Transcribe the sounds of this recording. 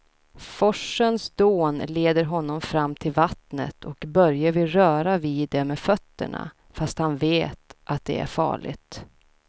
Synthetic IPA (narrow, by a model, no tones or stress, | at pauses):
fɔʂːənsd̪oːnleːd̪əɾɦɔnːɔmfɾamːt̪ʰɪlvat̪nə̰t̪ʰɔkbœɾjavɪɾœːɾavɪd̪ɛmɛfœt̪ːə̰ɳa̰ | fast̪hanveːt̪ʔat̪̚d̪ɛ̰æ̰ɾfɑ̰ːɭɪ̰ɡt̪